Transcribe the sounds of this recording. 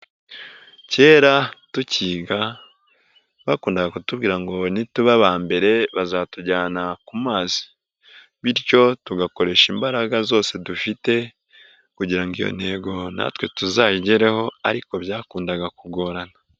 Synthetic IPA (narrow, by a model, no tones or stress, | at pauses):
ce̞ːɾatuciːɡa | βakuːndaɡakutubɡiːɾaŋɡo̞nituβaβaːmbe̞ɾe̞βazatuɟaːnakumaːzi̥ | βiɾco̞tuɡako̞ɾe̞ʃimbaɾaɡazo̞ːsedufite̞ | kuɟiɾaŋɡijo̰ne̞ːɡo̞na̰twe̞tuzajiɟeɾe̞ho̞aɾiko̞bjaːkuːndaɡakuɡo̞ɾana